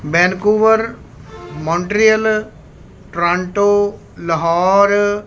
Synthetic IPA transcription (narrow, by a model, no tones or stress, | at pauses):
bɛ̃ːnkuːʋəɾ | mɔ̃ːɳʈɾijəl | ʈɾãːɳʈoː | ləɦaːɾ